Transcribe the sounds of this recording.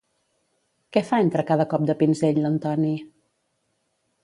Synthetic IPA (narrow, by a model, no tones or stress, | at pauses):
kɛfaent̪ɾəkað̞əkɔp̚d̪əpinzeʎlənt̪ɔni